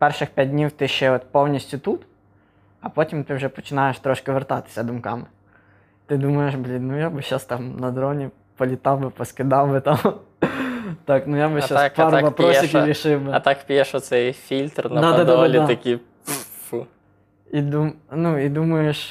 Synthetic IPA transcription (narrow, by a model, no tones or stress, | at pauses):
pɛrʃɪxpʲat̚ʲdʲnʲiwt̪ɪʃt͡ʃɛɔt̪pɔwnʲisʲtʲʊt̪ut̪ | ɐpɔtʲimt̪ɪwʒɛpɔ̥t͡ʃɪnɑjeʃt̪ɾɔʃkɪʋert̪ɑt̪ɪ̥sʲɐd̪ʊmkɑ̰mɪ | t̪ɪd̪umɐjeʃblʲinujabɪʃast̪ɑmnɐd̪ɾɔnʲi | pɔlʲit̪ɑwbɪpɔskɪd̪ɑwbɪt̪ɑm | t̪ɑknujabɪʃaspɑɾʋɐpɾɔsʲiɾʲiʃɪwbɪɐt̪akpʲijɛʃɔsɛjfʲilʲt̪rnd̪ɐad̪ad̪aɔalʲid̪t̪ɐkʲi | u | id̪umnuid̪umɐjeʃ